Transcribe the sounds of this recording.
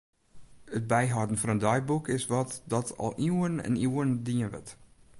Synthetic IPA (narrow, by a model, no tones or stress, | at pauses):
ət̚bɛjɦɔdən̩fɔnəndɔjbukʰɪsʋɔtdɔtʰɔ̰lˠʔiwənɛ̰niwəndiənʋə̰t